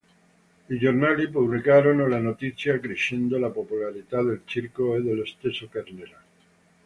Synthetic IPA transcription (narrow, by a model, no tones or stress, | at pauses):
iʝoɾnalipuβlikaɾonolanot̪iθjakɾeʃend̪olapopulaɾit̪aðe̞lt͡ʃiɾkoeðele̞st̪esokeɾneɾa